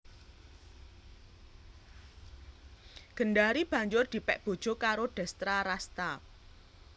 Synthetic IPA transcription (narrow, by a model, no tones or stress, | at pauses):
ɡ̥ə̤nɖaɾib̥ä̤ɲd͡ʒʊrd̪̥i̤pɛʔb̥o̤d̥ʒ̥o̤kaɾoɖ̥a̤st̪ɾaɾast̪ap̚